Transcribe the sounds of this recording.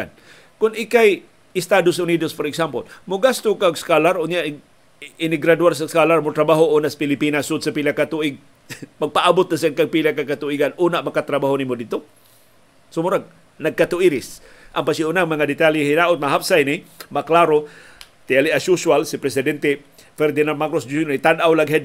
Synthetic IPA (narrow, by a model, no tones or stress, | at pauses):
an | kʊnɪkaj | ɪst̪adosʊnidosfoɾɛksampolmʊɡast̪ʊkaɡskalaɾʊnjaʔ | ɪnɪɡɾaduaɾs̬askalaɾmʊt̪ɾabaɦoʔunasḁpɪlipinasːʊd̪sapilakːat̪uʔɪɡ̚ | maɡ̚paʔabʊt̪̚nas̬aŋkaɡ̚pilakːakat̪uiɡanʔunaʔmakat̪ɾabaɦonimʊdɪd̪̚t̪o | sʊmʊɾaɡ̚ | naɡ̚kat̪ʊiɾɪs | ʔampasiʊnaŋmaŋadɪt̪aliɦinaʔʊt̪̚maɦapsajnɪmaklaɾo | t̪ialiʔasuswalsipɾɛsɪdɛnt̪e | fɛɾd̪ɪnanmakɾosd͡ʒuonit̪anʔawlaɡɦed̪̚